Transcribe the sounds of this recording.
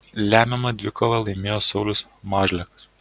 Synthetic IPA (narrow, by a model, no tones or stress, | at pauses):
lʲæːmʲɛmɐd̪ʲʋʲɪkoʋɐlˠɐɪmʲeːjoːsɒʊlʲʊsmɑːʒʲlʲɛkɐ̥s